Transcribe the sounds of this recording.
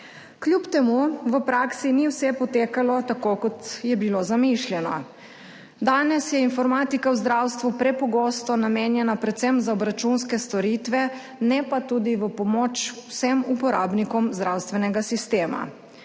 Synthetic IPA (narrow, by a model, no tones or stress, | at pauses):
klʲjupt̪ɛmuʋəpɾaːksiniwsɛpɔt̪eːkalɔt̪akokɔt̪jɛbilozamiʃljɛnɔ̰ | d̪aːnɛsjɛinfɔɾmaːt̪ikawzd̪ɾawst̪ʋupɾɛpɔɡoːst̪ɔnameːnjɛnapɾɛt̪sɛmzaɔbɾat͡ʃunskɛst̪ɔɾit̪ʋɛ | nɛpat̪ud̪iʋəpɔmot͡ʃwsɛmupɔɾa̰ːbnikɔmzd̪ɾawst̪ʋɛnɛɡasist̪eːma̰